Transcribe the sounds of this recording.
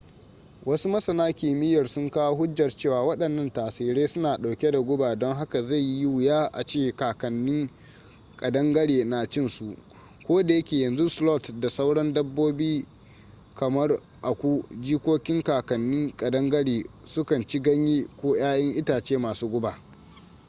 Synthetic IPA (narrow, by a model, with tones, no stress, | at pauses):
wɐ˦su˦mɐ˦sɐ˨naː˦kʲiː˨mɪ˦jɐ˨rsʊ˦ŋkaː˦wo˦ɦʊ˦d͡ʒːɐ˨rt͡ʃeː˦˨waː˨wɐ˦ɗɐ˨nːɐ˦˨ntaː˨siː˨ɽeː˦sʊ˦naː˨ɗa˨wkʲe˦da˨ɡʷʊ˦baː˨dɔ˦ŋɦa˦ka˨za˦˨jːi˦wʊ˨jaː˦ʔa̰˨t͡ʃeː˦˨kaː˨kɐ˨nːɪ˦ŋ | kʼɐ˨dɐ˦ŋɡɐ˦ɽeː˨na˨t͡ʃɪ˦nsu˨ʔ | kʷoː˦da˨jɐ˦kʲeː˨jɐ˨nzu˦slɔ˦˨tda˨sa˦wɽɐ˦ndɐ˦bːoː˦biː˦ | kɐ˨mɐ˦r | ʔa˨kʷu˦d͡ʒiː˦kʷoː˦kʲɪ˦ŋkaː˨kɐ˨nːɪ˦ŋkʼɐ˨dɐ˦ŋɡɐ˦ɽeː˨ | sʊ˦kɐ˨nt͡ʃi˦ɡɐ˦ɲji˦kʷoː˦j̰aː˦jɐ˦ŋʔɪ˦taː˨t͡ʃeː˦maː˨suː˦ɡʷʊ˦baː˨